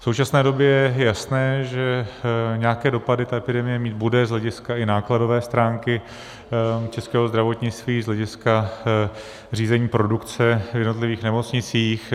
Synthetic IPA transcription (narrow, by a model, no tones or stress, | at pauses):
fso̞wt͡ʃasnɛːdo̞bjɛjɛɛjasnɛːʒɛɲɛjakɛːdo̞padɪt̪aɛpɪdɛmɪjɛmiːt̪̚budɛzlɛɟɪskaɪnaːklado̞vɛːst̪ɾaːŋkɪ | t͡ʃɛskɛːɦo̞zd̪ɾavo̞t̪ɲɪt͡st̪viːzlɛɟɪska | r̝iːzɛɲiːpɾo̞dukt͡sɛvjɛdno̞t̪lɪviːxnɛmo̞t͡sɲɪt͡siːx